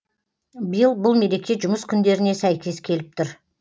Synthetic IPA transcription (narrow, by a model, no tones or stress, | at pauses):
bəjəlˠbʊlˠme̞ɾe̞kʲe̞ʒʊməskʲʰʏnd̪e̞ɾɪne̞sæjkʲe̞skʲʰe̞lɪp̚t̪ʰʏɾ